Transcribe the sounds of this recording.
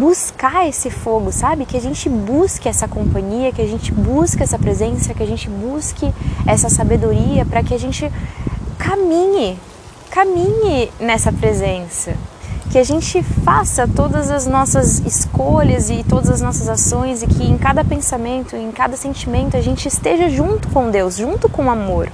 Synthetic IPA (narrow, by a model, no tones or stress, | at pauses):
buskaesɪfoɡʊsabɪkɪaʒẽnt͡ʃɪbuskɪɛsɐkõmpɐ̃ɲiɐkɪaʒẽnt͡ʃɪbuskɛsɐpɾezẽsɐkɪaʒẽnt͡ʃɪbuskɪɛsɐsabed̪oɾiɐpɾɐkɪaʒẽnt͡ʃɪkamĩɲɪ | kamĩɲɪnɛsɐpɾezẽsɐkɪaʒẽnt͡ʃɪfasɐt̪od̪ɐzɐznɔsɐzɪskoʎɐzɪt̪od̪ɐzɐznɔsɐzasõj̃zɪkʰɪẽkad̪ɐpẽsamẽnt̪ʊẽkad̪ɐsẽnt͡ʃimẽnt̪ʊaʒẽnt͡ʃɪːst̪eʒɐʒũnt̪ʊ̥kõw̃d̪ewsʒũnt̪ʊkõamoɾ